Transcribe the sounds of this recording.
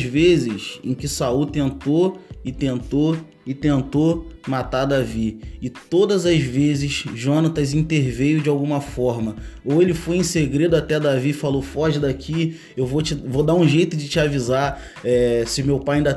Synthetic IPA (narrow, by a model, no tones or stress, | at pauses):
ʒvezɪʃḛ̃kɪsaut̪ẽnt̪oɪt̪ẽnt̪o | ɪt̪ẽnt̪omat̪aɾd̪aviɪt̪od̪ɐzɐzvezɪʃʒõnat̪ɐzĩnt̪eɾvejʊd͡ʒɪawɡũmɐfɔɾmɐoelɪfojẽseɡɾed̪ʊat̪ɛd̪avifalowfɔd͡ʒɪd̪akʰi | ewvot͡ʃɪvod̪aũʒejt̪ʊd͡ʒɪt͡ʃɪaviza | ɛsɪmewpajaĩnd̪ɐ